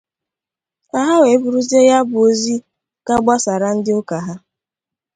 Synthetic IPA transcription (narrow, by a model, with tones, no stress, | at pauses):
a˨ɦa˦we˨˦bu˨ɾu˦ze˦ja˦bʊ˨o˦zi˦ | ka˦ɡ͡ba˦sa˨ɾa˨n̩˦dɪ˦ʊ˦ka˨ɦa˦